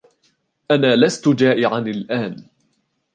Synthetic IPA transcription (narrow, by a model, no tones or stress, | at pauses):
ʔanaːlast̪ʊd͡ʒaːʔɪʕanɪlʔaːn